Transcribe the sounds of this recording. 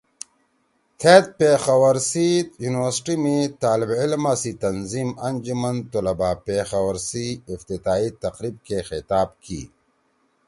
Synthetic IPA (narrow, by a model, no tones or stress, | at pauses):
t̪ʰeːt̪̚pexɐwɐɾsijuːniwəɾsʈimet̪aːlibɪlmasit̪ɐnzimɐnd͡ʑumɐnt̪ulɐbaːpeːxɐwɐɾsiːft̪it̪aːit̪ɐqɾiːb̚kexɪt̪aːb̚kḭː